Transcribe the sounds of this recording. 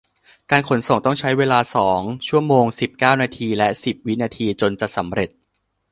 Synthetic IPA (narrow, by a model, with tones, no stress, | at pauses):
kaː˧nkʰo˩˦nso˨˩ŋt̪ɔ˥˩ŋt͡ɕʰa˦˥jweː˧laː˧sɔː˩˦ŋt͡ɕʰu˥˩əmoː˧ŋsi˨˩p̚kaː˥˩wnaː˧t̪ʰiː˧lɛ˦˥ʔsi˨˩p̚wi˦˥naː˧t̪ʰiː˧t͡ɕo˧nt͡ɕa˨˩sa˩˦mɾe˨˩t̪̚